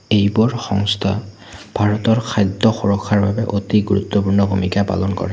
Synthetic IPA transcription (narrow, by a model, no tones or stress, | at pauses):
ejbɔɹxɔ̰ŋstʰa̰ | bʱaɹɔtɔɹkʰajd̪ʱːɔxuɹɔkʰːaɹbabɛʔotiɡuɹṵt̪ːɔpuɹnɔbʱumikapa̰lɔnkɔ̰ɹɛ